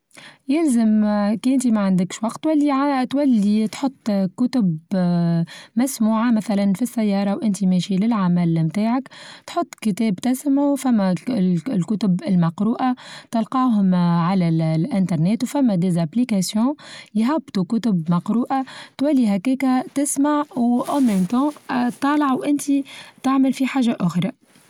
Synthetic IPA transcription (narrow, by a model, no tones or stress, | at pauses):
jɪlzəmkiːʔɪnt̪imaʕand̪ɪkʃwɑqt̪ːwælːiʕat̪wælːit̪ħot̪ˤːkʊt̪ʊb | mæsmuːʕamæθælænfisːæjːɑːɾˤɑwʔɪnt̪imɛʃilɪlʕamælmt̪aːʕakt̪ħot̪ˤːkət̪ɛːbt̪ɪsmʕufæmːælkʊt̪ʊbɪlmɑqɾuːʔat̪ɑlqɑːɦʊmʕalællʔɪ̃nt̪ɑɾˤnɛːt̪wfæmːæd̪ezaplikasjɔ̃jɦæbt̪ukʊt̪ʊbmɑqɾuːʔat̪wælːiɦækɛːkæt̪ɪsmaʕwʔɑmɛmt̪ɑ̃t̪ˤːɑːlɑʕwʔɪnt̪it̪aʕməlfiħaːʒaʔʊxɾˤɑ